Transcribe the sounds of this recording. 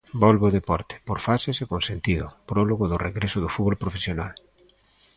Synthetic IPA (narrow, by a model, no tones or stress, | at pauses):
bɔlβoðepɔɾt̪e̥poɾfasesekonsent̪iðʊ̰pɾɔloɣʊðʊreɣɾesʊðʊfuðβolpɾofesjonal